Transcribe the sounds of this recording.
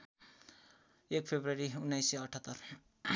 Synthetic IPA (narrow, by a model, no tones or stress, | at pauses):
ek̚pʰebɾʌɾiunːajsːeʌʈʰət̪ːʌr